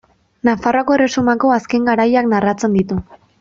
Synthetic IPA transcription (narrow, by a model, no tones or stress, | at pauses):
nafaroako̞ere̞sumako̞aske̞ŋɡaɾajaknarat͡se̞nd̪it̪u